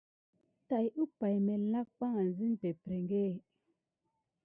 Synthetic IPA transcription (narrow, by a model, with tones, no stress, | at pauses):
ta˨ju˦pa˨jme˨la˦k̚k͡pa˦ŋa˨n˦zi˦n˦pe˨pɾe˨ŋɡe˦˨